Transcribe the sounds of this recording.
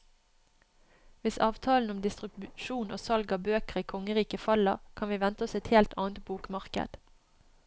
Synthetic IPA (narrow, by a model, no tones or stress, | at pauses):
ʋɪsɑːʋt̪ʰɑːln̩ɔmd̪ɪst̪ʁʉbʃuːno̰ːsɑlɡɑbøːkəʁiːkʰɔŋəʁiːkəfɑləʁkʰɑnʋiːʋɛnt̪əɔsɛt̪heːlt̪ʰɑ̰ːnt̪̚buːkmɑʁkə̰d̪̥